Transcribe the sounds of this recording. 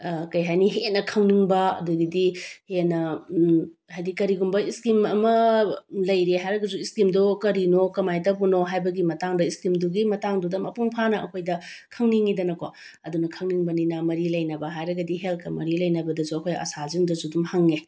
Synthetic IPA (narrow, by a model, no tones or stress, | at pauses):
kɐjɦajniɦenɐkʰɐŋniŋbɐɐ̰duɡidihenːɐ | hajdikɐɾiɡumbɐiskimɐmɐlɐjɾeɦajɾɐɡɐzuiskimdokɐɾinokɐmajdɐbunoɦajbɐɡimɐtaŋdɐiskimduɡimɐtaŋdudɐmɐpuŋpʰanɐʔɐ̰kʰojdɐkʰɐŋniŋidɐnɐka | ɐdunɐkʰɐŋniŋbɐninɐmɐɾilɐjnɐbɐɦajɾɐɡɐdiɦelkɐmɐɾilɐjnɐbɐdɐzuɐkʰojɐ̰saziŋdɐzudumhɐŋe